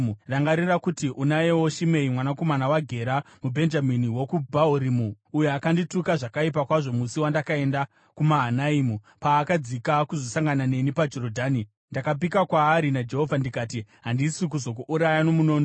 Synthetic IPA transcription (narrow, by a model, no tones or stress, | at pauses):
raŋɡaɾirakutiʔunajewoʃime̞imwanako̞manawaɡʱe̞ɾamubʱe̞nd͡ʒaminiwo̞kubʱauɾimuː | joakanditukaʐakaip̬akwaʐo̞musiwandakae̞nda | kumaɦanaimu | paːkad͡zikakuzosaŋɡanane̞nipad͡ʒo̞ɾodʱaːni | ndakap̬ikakwaːɾinad͡ʒe̞ɦovʱandikaːtiɦandisik̬uzo̞k̬uʔuɾajano̞muno̞ːndo